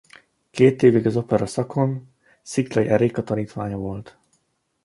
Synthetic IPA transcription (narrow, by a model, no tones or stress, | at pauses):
keːt̪eːviɡɒzo̞pɛɾɒsɒko̞n | siklɒjʔɛɾeːkɒt̪ɒniːt̪ʋaːɲɒvo̞lt̪